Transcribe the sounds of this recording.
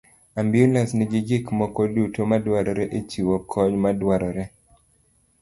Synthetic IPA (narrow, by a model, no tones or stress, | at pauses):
ambiulasnɪɡɪd͡ʒikmɔkɔdutomadwaɾɔɾɛʔet͡ʃiwɔkʰɔɲmadwaɾɔɾɛ